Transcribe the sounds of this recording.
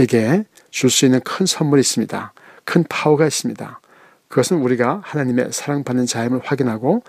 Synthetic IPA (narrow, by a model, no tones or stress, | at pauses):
eɡe̞ | t͡ɕuɭs͈uinːɯnkʰɯnsʰʌnmuɾiːs͈ɯmɲida̰ | kʰɯnpʰauɡais͈ɯmɲida̰ | kɯɡʌsʰɯnuɾiɡahanaɲime̞̰sʰaɾaŋbanːɯnt͡ɕaimɯɭɸwaɡinɦaɡo